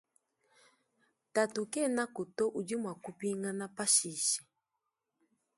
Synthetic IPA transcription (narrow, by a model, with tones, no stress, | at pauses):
ta˨tu˨kɛ˦˨na˦ku˨tɔ˦ʔu˨d͡ʒi˦mwa˨ku˦pi˦ŋa˦na˦pa˦ʃi˨ʃɛ̥˨